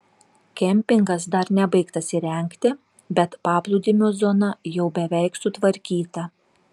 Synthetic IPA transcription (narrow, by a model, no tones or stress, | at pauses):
kʲɛmʲpʲɪŋɡɐsd̪ɐɾnʲɛbɐɪkt̪ɐsʲɪɾʲɛˑŋʲkt̪ʲɪ | bʲɛt̪pɑːplˠud̪ʲɪmʲuːzɔnɐjɛʊbʲɛʋʲɛɪksʊt̪ʋɐɾʲkʲiːt̪ɐ